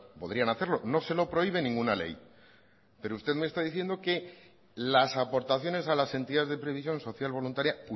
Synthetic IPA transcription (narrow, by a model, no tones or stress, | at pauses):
po̞ð̞ɾianaθe̞ɾlo̞no̞se̞lo̞pɾo̞iβe̞nĩŋɡunale̞̰j | pe̞ɾoust̪e̞ðmest̪aðiθje̞nd̪o̞ke̞ | lasapo̞ɾt̪aθjo̞ne̞salase̞nt̪iðazðe̞pɾe̞βis̬jo̞nso̞θjalβ̞o̞lunt̪aɾjau